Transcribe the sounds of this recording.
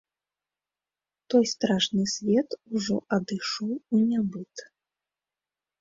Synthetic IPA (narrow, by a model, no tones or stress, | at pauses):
t̪ɔjst̪ɾaʂnɨsʲvʲɛt̪uʐɔ̰ʔɐd̪ɨʂɔwunʲabɨt̪